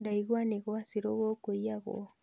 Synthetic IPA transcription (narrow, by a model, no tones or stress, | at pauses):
daiɣwaniɣɔasiɾɔɣɔkoiaɣɔ̰